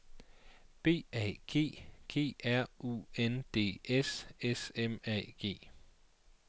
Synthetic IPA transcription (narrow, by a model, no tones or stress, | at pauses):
b̥e̝̰ːɛ̰ːɡ̥e̝̰ːɡ̥e̝̰ːæɐ̰ʔṵend̥e̝̰ːesesemɛ̰ɡ̥e̝̰ː